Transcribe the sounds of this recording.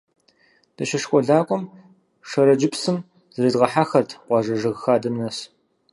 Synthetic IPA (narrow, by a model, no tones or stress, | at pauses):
d̥ɐʃɐʂxʷʼɔɮaːkʷʼɔm | ʂɐɾɐd͡ʒɪpsɨm | zɨɾɨdʁɐħaxɐrtʰqʷɑːʐɐʐɐɣxaːdɐmnɐs